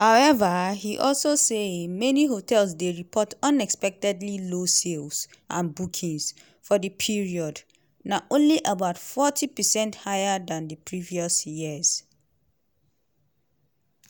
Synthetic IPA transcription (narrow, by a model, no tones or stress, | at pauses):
haʊɛvəhiʔɔlsosemɛniɦotʰɛlsdeɹipʰɔtʌ̃nɛkspɛk̚tɛdlilosels | ʔã̰nbukʰĩŋs | fɔdəpʰiɹiɔd | naʔõnliʔabaʊtfɔtʰipəsɛ̃nthajədãndəpʰɹiviɔsjiz̥